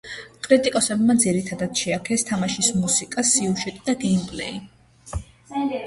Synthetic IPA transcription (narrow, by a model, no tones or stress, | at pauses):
kʼɾit̪ʼikʼɔsɛbmad̪ziɾit̪ʰad̪ad̪̥ʃɛakʰɛst̪ʰamaʃismusikʼasiuʒɛt̪ʼid̪aɡɛmpʼlɛ̰i